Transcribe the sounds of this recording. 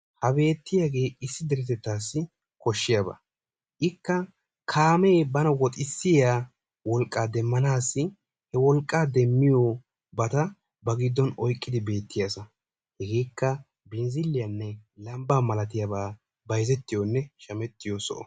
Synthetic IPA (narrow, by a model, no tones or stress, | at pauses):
hɐbe̞ːt̪ːɪjaɡe̞ːɪsːɪd̪ɛɾɛt̪ɛt̪ːaːsːɪ | kɔʃːɪjabɐ̰ | ʔɪkːɐ | kʰaːmeːbɐnɐwɔt̪ʼɪsːɪjaː | wɔlkʼːaːd̪ɛmːɐnaːsːɪ | hɛwɔlkʼːaːd̪ɛmːɪjoː | bɐt̪ɐ | bɐɡɪd̪ːɔnɔjkʼːɪd̪ɪbe̞ːt̪ːɪjasɐ | hɛɡe̞ːkːɐ | bɪnzɪlːɪjɐnːɛlɐmbaːmɐlɐt̪ɪjabaː | bɐjzɛt̪ːɪjɔnːɛʃɐmɛt̪ːɪjosɔ̰ʔɔ̰